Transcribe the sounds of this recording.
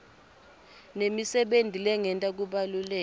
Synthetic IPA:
nemisɛɓendʱilɛŋʱɛntʼak̬uɓalulɛː

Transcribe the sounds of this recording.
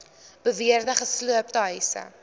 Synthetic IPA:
b̥əviərdəχəsluəp̚təɦəjsə̰

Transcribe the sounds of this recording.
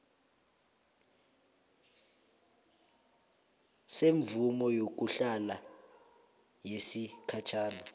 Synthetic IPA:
seɱvumɔjok̬ʼuɬala | jesikʰat͡ʃʰaːna

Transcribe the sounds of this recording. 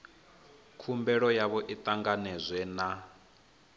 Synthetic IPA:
kʰumbɛɺɔjaβɔʔit̪ʼaŋɡanɛzʷwɛna

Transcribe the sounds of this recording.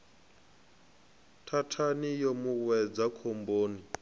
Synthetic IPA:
tʰatʰanijomuwɛd͡zakʰomboːni

